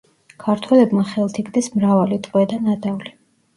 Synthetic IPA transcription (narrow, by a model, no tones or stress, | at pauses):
kʰaɾt̪ʰwɛlɛbmaχɛlˠt̪ʰiɡd̪ɛsmɾavalit̪ʼqʼwɛd̪anad̪avli